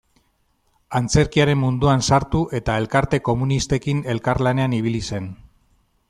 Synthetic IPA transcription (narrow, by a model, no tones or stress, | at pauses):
ant͡se̞ɾkiaɾe̞mmːund̪uansaɾt̪uʔe̞t̪ae̞lkaɾt̪e̞ko̞munist̪e̞kine̞lkaɾlane̞aniβ̞ilise̞n